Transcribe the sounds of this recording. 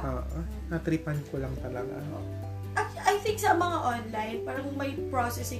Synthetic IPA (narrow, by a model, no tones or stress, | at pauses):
oːʔo | ɐt̪ɾipɐnt̪̚kolɐŋt̪ɐlɐɡa̰o | ʔɐ | ʔɐjθɪŋk̚sɐmɐŋaʔonlajnpaːɾɐŋmɐjpɹosɛsɪ